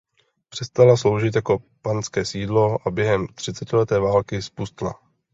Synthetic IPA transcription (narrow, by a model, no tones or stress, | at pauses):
pr̝̥ɛst̪alaslo̞wʒɪt̪jako̞ | pant͡skɛːsiːdlo̞ʔabjɛɦɛmt̪r̝̥ɪt͡sɛcɪlɛt̪ɛːvaːlkɪspust̪la̰